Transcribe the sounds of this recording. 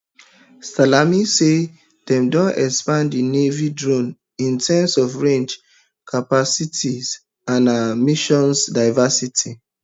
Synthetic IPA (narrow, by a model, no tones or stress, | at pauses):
stalamise | dɛ̃mdõnɛkspãndinevidɹõn | ĩntʰɛmsɔvɹẽnd͡ʒ | kʰapasitʰiz | ãnamiʃɔ̃nsdaɪvasitʰi